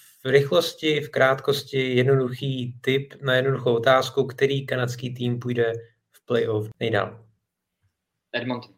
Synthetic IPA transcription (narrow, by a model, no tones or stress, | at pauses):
fɾɪxlo̞scɪfkɾaːt̪ko̞scɪjɛdnoduxiːt̪ɪpnajɛdnoduxowot̪aːskukt̪ɛɾiːkanatt͡skiːt̪̬iːmpujdɛ | fplɛjʔofnɛjda̰ːl | ɛdmont̪